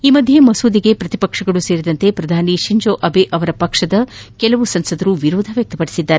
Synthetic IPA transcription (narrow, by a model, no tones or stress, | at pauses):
iːmɐd̪ʱje̞mɐsuːd̪iɡe̞pɾɐt̪ipɐkʂɐɡɐɭuse̞ːɾid̪ɐnt̪epɾɐd̪ʱaːniʃiɲd͡ʒoːʔɐbeʔɐʋɐɾɐpɐkʂɐd̪ɐkɛlɐʋusɐnsɐd̪ɐɾuʋiɾoːd̪ʱɐʋjɐk̚t̪ɐpɐɽisid̪ːaːɾe